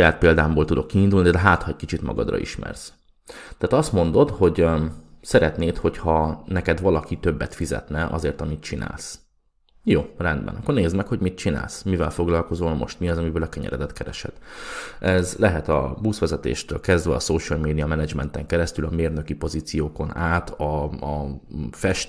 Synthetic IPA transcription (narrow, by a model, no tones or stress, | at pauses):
ʃɒjaːt̪̚peːld̪aːmboːlt̪ud̪o̞kːiːnd̪ulnid̪ɛɦaːt̪hɒɛɟ̚kit͡ʃit̪mɒ̰ɡɒ̰d̪rɒ̰ʔḭʃmɛ̰rs | t̪ɛːt̪ɒst̪mo̞n̪d̪o̞t̪ho̞ɟsɛɾɛt̪neːt̪ho̞chɒnɛkɛd̪ʋɒlɒkit̪ø̞bːɛt̪fizɛ̰t̪nɛʔɒ̰zeːrt̪ɒmit̪̚t͡ʃina̰ːls | joːrɛnd̪bɛ̰nɒkːorneːzmɛkhoɟmit̪̚t͡ʃina̰ːlsmivɛlfoɡlɒlko̞zolmo̞̰ʃt̪miɒzɒmivøːlɒkɛɲɛ̰ɾɛ̰d̪ɛt̪kɛɾɛʃɛ̰t̪ɛzlɛɦɛt̪ɒ̰busʋɛzɛt̪ḛːʃt̪øːlkɛzd̪vɛɒsoːʃɛlmeːd̪ijɒmɛnɛd͡ʒmɛnt̪ɛŋkɛɾɛst̪ylɒmeːrnø̞kipo̞ziːt̪sijoːko̞naːt̪ɒ | fɛʃt̪